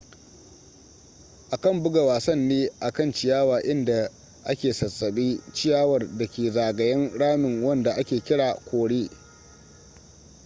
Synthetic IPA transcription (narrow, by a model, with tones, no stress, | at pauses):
ʔa˨kɐ˦˨mbʊ˦ɡa˨waː˨sɐ˦nːeː˦ʔa˨kɐ˦˨nt͡ʃɪ˨jaː˦waː˨ʔɪ˦nda˨ | ʔa˦kʲeː˨sɐ˨sːɐ˨ɓiː˦t͡ʃɪ˦jaː˦wɐ˨rdɐ˨kʲeː˨zaː˨ɡɐ˨jɐ˦ŋɽaː˦mɪ˨ŋwɐ˦nda˨ʔa˦kʲeː˨kʲɪ˦ɽaː˨kʷoː˨ɽeː˦